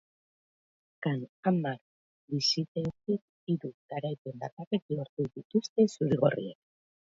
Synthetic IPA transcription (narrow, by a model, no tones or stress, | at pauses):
kanamaɾ | bisit̪eok̪ik | iɾuɡ̥aɾajpend̪a̰t̪arek̪ioɾt̪uðit̪ust̪e̞suɾiɣorḭek